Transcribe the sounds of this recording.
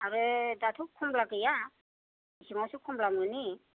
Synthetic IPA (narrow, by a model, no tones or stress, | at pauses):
aɾɯdatʰup̚kʰumblakɯja | isiŋawsukʰumblamɯni